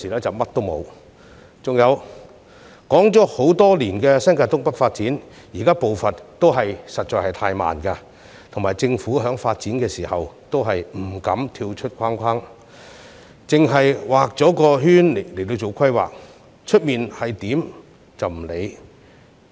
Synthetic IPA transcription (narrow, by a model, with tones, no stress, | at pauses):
siː˨˩ɛː˥t͡sɐ˨wmɐ˥t̚t̪o˥wmo̰˨˧w | t͡sʊ˨ŋjɐ˨˧w | kɔː˨˥ŋt͡sɔː˨˥ho˨˥wt̪ɔː˥liː˨˩nkɛː˧sɐ˥nŋkaː˧˩t̪ʊ˥ŋpɐ˥k̚faː˧t̚t͡siː˨˥n | jiː˨˩kaː˥po˨wfɐ˨nt̪o˥wɦɐ˨jsɐ˨t̚t͡ʃɔː˧jhɐ˨˩jt̪ʰaː˧jma̰ː˨nka˧ | t̪ʰʊ˨ŋmaː˨˩jt͡sɪ˧ŋfuː˨˥ɦœː˨˥ŋfaː˧t̚t͡siː˨˥nkɛː˧siː˨˩hɐ˨wt̪o˥wɦɐ˨jm̩˨˩kɐ˨˥mt̪ʰiː˧wt͡ʃʰt̚kʰaː˥ŋkʷʰwaː˥ŋ | t͡sɪ˨ŋɦɐ˨jwaː˨k̚t͡sɔː˨˥kɔː˧ɦyː˥n˨le˨˩jt̪o˧wt͡so˨wkʷʰɐ˥jwa̰ː˨k̚ | t͡ʃʰɵ˥t̚miː˨nhɐ˨jt̪iː˨˥m | t͡sɐ˨wm̩˨˩le˨˧j